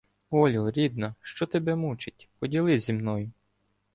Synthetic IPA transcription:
ɔlʲɔɾʲid̪̚nɐʃt͡ʃɔt̪ɛbɛmut͡ʃɪtʲpɔdʲilˠɪzʲimnɔjʊ

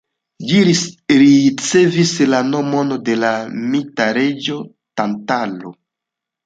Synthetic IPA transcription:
d͡ʒiɾiɾit͡se̞vislano̞mo̞node̞lamitaɾe̞d͡ʒo̞ | tantalo̞̰

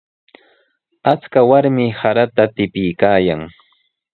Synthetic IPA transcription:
at͡skawaɾmɪhaɾat̪at̪ɪpɪjkaːjaŋ

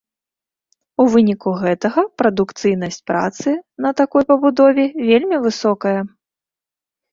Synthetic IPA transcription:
uvɨnʲikuɣɛt̪ɐɣɐpɾɐd̪ukt̪sɨjnɐsʲt͡sʲpɾa̰t̪sɨnɐt̪akɔjpɐbud̪ɔvʲɛvʲelʲmʲivɨsɔkɐjɐ

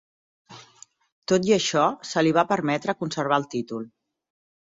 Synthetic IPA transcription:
t̪ot̪iəʃɔsəliβ̞apəɾmɛt̪ɾəkunsərβ̞aəlˠt̪it̪ulˠ

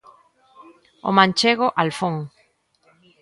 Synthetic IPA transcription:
o̰mãnt͡ʃeɣoʔalfoŋ

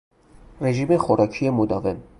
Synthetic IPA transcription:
rɛʒimɛχɔɾɑkʰijɛmud̪ɑvɛn

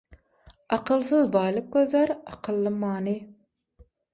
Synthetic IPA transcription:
ɑqʰəlˠsɨzbɑːjlˠɨk̚ʲkʲːøzlæɾɑqʰəlˠːɨmɑːnɨ

